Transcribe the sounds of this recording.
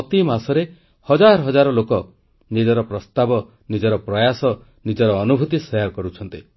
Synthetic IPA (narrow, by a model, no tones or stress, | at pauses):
ɔt̪imasɔɾe | hɔd͡ʒaɾɔɦɔd͡ʒaɾɔlokɔ | nid͡ʒɔɾɔpɾɔst̪abɔ | nid͡ʒɔɾɔpɾɔjasɔ | nid͡ʒɔɾɔːnubʱut̪isɔjaɾkɔɾut͡ʃʰɔnt̪i